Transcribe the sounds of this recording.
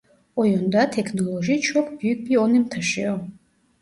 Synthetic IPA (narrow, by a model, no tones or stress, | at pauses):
ojɔnd̪atʰekʰnoloʒit͡ʃʰɔkʰbjyk̚bionimt̪ʰaʃeo